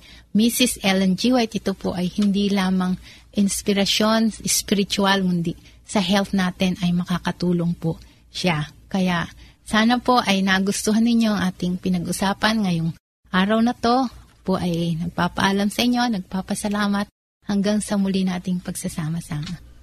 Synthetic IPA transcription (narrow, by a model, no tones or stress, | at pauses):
misɪsɛlɛnd͡ʒiwajt̪ʔɪt̪opoʔɐjhɪnd̪ilaːmɐŋ | ʔɪnspɪɾɐʃo̞nʔɪspɪɾɪt͡ʃʊalmʊnd̪i | sɐɦɛlt̪naːt̪ɛnʔɐjmɐkaːkɐt̪uːlo̞ŋpo | ʃakɐjaʔ | saːnɐpo̞ʔɐjnaːɡʊst̪oɦɐnːɪɲo̞ʔɐŋʔaːt̪ɪŋpɪnɐɡʔʊsaːpɐnŋɐjoŋ | ʔaːɾɐwnɐt̪o̞poʔɐjnɐɡ̚paːpɐ̰ʔalamsɐʔɪɲːo̞nɐɡ̚paːpɐsɐlaːmɐt̪̚ | hɐŋɡaŋsɐmʊlinaːt̪ɪŋpɐɡsɐsaːmɐsaːmɐ